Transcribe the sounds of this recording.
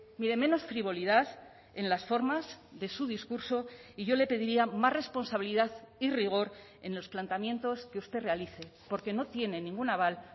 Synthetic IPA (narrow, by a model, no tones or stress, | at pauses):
miɾe̞mẽ̞no̞sfɾiβ̞o̞liðaθ | e̞nlasfo̞ɾmazðe̞suðiskuɾso̞iʝo̞le̞pe̞ðiɾiamazre̞spo̞nsaβiliðaθiriɣ̞o̞ɾ | e̞̰nlo̞splant̪amjẽ̞nt̪o̞ske̞ust̪e̞re̞aliθe̞po̞ɾke̞no̞t̪je̞ne̞nĩŋɡunaβal